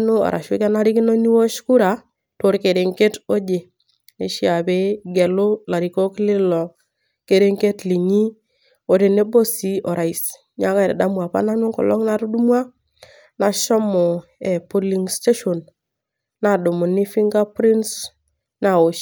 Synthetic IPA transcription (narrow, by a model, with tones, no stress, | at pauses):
no˦ɔ̰˨ɾʔa̰˨ʃu˦ka˦na˦ɾi˦ki˦no˦ni˦wo˦ʃku˦ɾa˨ | to˨˦ɾke˨ɾe˨ŋke˦to˦d͡ʒe˨ | ne˨ʃi˦a˨be˦ɡe˨lo˦la˨ɾi˨ko˦klɪ˦lɔ˨ | ke˨ɾe˦ŋke˦tli˨ɲi˦ | o˨ɾe˨ne˦bo˦si˦ɔ˨ɾa˨i˨s | ɲa˦ka˦˨ɾe˨da˦mwa˨pa̰˦na˦nu˦ŋkɔ̰˨lɔ˦ŋna˦ɾu˦du˦mwa˦ | na˨ʃɔ˦mɔ˨e˨po˦li˨ŋste˦ʃo˨n | na˨du˨mu˨ni˦fi˦ŋɡa˦pɾi˦ns | na˨o˨ʃ